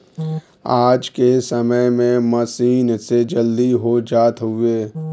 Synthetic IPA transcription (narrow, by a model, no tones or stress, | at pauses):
aːd͡ʒkesəməjmẽməsiːnsed͡ʒəld̪iɦod͡ʒaːt̪ɦʊeː